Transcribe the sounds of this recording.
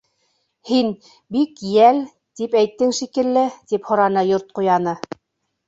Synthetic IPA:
hin | bikjæl | t̪ipæjt̪ːɘŋʃikɘ̆lːɘt̪iphŏɾɑnɤjoɾt̪̚qujɑnɤ

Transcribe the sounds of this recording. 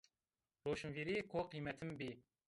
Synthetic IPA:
ɾoːʃɨmviɾiːkʰoqijmɛt̪ʰɪmbiː

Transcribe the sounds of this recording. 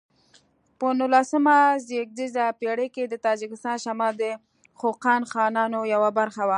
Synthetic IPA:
pənʊlasəmazek̚d̪izapeɽeked̪ət̪ɑd͡ʒɪkɪst̪ɑnʃamɑld̪ə | xoqɑnxɑnɑnojawabaɾxawa

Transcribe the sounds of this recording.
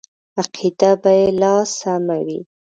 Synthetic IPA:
aqʰid̪abajelɑsamawḭ

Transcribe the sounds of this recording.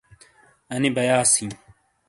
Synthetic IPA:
ɐnibɐjaːsĩː

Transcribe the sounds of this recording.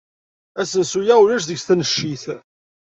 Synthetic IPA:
æsənsujæulæʃðəʝsθænəʃːiθ

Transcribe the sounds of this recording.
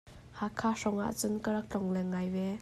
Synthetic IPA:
hakʰːasɔŋa̰ʔt͡sunkəɾak̚t͡ɬɔŋlɛŋːajvɛ

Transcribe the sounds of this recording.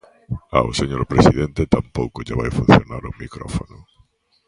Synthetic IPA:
a̰oseɲoɾpɾesiðẽnt̪et̪ampowkʊʒaβajfun̟θjonaɾomikɾɔ̰fonʊ

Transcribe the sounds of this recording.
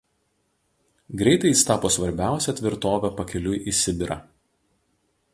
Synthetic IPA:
ɡɾʲɛɪt̪ɐɪist̪ɑːpoːsʋɐɾʲbʲæˑʊsʲɛt̪ʲʋʲɪɾt̪oːʋʲɛpɐkʲɛlʲʊjʔisʲɪbʲɪɾɐ̰

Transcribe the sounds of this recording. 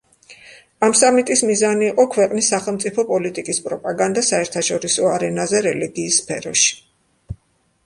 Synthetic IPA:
amsamit̪ʼismizaniːqʼɔkʰwɛqʼnisːaχɛlˠmt̪sʼipʰɔpʼɔlit̪ʼikʼispʼɾɔpʼaɡand̪asaɛɾt̪ʰaʃɔɾisɔaɾɛnazɛɾɛliɡiːsːpʰɛ̰ɾɔʃi̥

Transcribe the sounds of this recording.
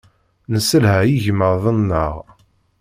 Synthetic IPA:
nəsəlhæjiʝməɾðˤənːəʁ

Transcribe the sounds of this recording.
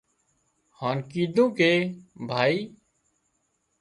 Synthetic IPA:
haːnkiːd̪ʱũːkeːbʱaːiː

